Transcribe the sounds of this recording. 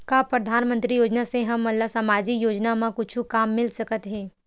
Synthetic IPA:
kaːpɾɐd̪ʱaːnmə̃nt̪ɾijoːd͡ʒnaseɦɐmːɐlasɐmaːd͡ʒikjoːd͡ʒnamãkʊt͡ʃʰukaːmːɪlsɐkət̪ɦɛː

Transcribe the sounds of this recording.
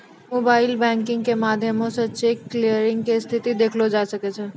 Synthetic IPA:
mobailbɛ̃ŋkɪ̃ŋɡkemad̪ʱjəmõsətːʃekːlijəɾɪŋɡkest̪ʰit̪id̪ekʰlod͡ʒaʃəket͡ʃʰe

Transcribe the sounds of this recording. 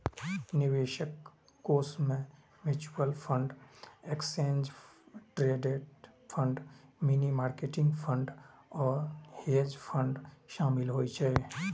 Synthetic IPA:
nɪʋeʃəkː | oːsmẽ | mɪt͡ʃuəlpʰə̃ɳɖeksẽːnd͡ʒʈɾeːɖeʈ | pʰə̃ɳɖminimaːɾkeʈɪ̃ŋɡpʰə̃ɳɖɔːɾheːd͡ʒpʰə̃ɳɖʃaːmɪlɦoːit͡ʃʰɛ

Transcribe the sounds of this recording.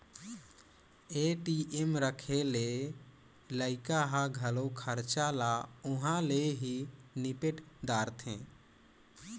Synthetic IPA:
eʈiʔemɾəkʰele | ləɪkaɦaɡʱəlokʰəɾt͡ʃalaʊɦãleɦinipeʈd̪aɾt̪ʰḛ̃

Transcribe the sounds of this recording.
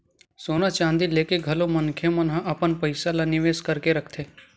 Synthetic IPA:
soːnat͡ʃãːnd̪ileːkeɡʱɐlomənkʰemənɦãʔɐpənpəɪsalanɪʋeːskəɾkeɾəkʰt̪ʰeː

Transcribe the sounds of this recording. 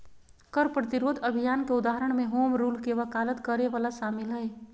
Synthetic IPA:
kəɾpɾət̪iɾoːd̪ʱəbʱijaːnkeʊd̪aːɦəɾəɽ̃mẽɦoːmɾuːlkeʋəkaːlət̪kəɾeʋaːlaʃaːmɪlɦəe

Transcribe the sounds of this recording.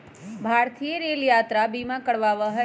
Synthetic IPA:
bʱaɾt̪ʰijeɾeljat̪ɾabimãkəɽʋaʋəɦə

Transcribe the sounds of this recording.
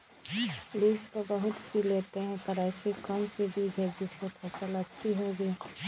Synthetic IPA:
liːd͡ʒt̪obɐɦʊt̪sileːt̪eɦɛ̃pɐɾɛːsekənsebiːd͡ʒʱɛd͡ʒɪsepʰɐsəlɐtːʃʰiɦoːɡiː

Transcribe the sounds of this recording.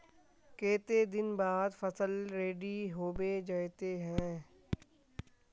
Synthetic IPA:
keːt̪ed̪ɪnbaːd̪fəsəlɾeːɖiɦoːbed͡ʒaːjt̪eɦɛ̃ː

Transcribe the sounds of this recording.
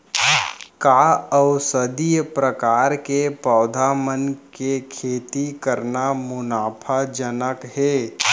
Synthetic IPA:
kaːəʊsəd̪ijəpɾəkaːɾkepɔːd̪ʱamənkekʰeːt̪ikəɾnamʊnaːpʰad͡ʒənəkɦɛː

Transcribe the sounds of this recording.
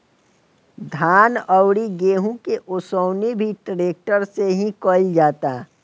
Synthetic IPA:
d̪ʱaːnəʊɽiɡeːɦũkeʔʊsəʊnibʱiʈɾeːk̚ʈəɾseɦĩkoːɪld͡ʒaːt̪aː

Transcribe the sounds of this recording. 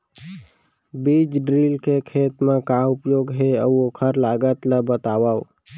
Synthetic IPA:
bid͡ʒɖɾilkekʰeːt̪mẽkaʊpjoɡɦeəokʰəɾlaɡət̪ləbət̪aːʋao

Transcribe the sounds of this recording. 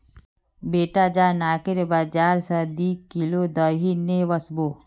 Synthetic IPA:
beːʈad͡ʒaːnaːkɪɾbad͡ʒaːɾsəd̪ikilod̪əɦineʋəsboː

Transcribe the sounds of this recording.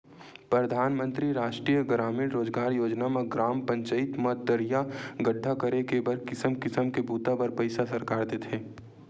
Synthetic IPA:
pɾəd̪ʱaːnmə̃nt̪ɾiɾaːʃʈɾiːjəɡɾaːmɪɾɾoːd͡ʒɡaːɾjoːd͡ʒnameɡɾaːmpə̃ɲt͡ʃəɪt̪mət̪̚d̪əɾijaɡəɖʱːakəɾekebəɾkɪsəmkɪsəmkebuːt̪abəɾpəɪsasɐɾkaːɾd̪eːt̪ʰeː

